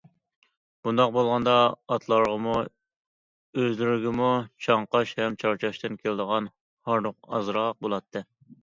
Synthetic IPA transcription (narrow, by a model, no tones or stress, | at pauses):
b̥und̪ɑq̚bolˠʁɑnd̪ɑɑt̪ʰlˠɑɾʁəmu | øzlyɾɪɡʲɪmut͡ʃʰɑɴqɑʃhɛmt͡ʃʰɑɾt͡ʃʰɑʃt̪ɨnkʲʰelɪd̪əʁɑn | hɑɾnoqɑ̰zɾɑq̚bolˠɑt̪ʰːɨ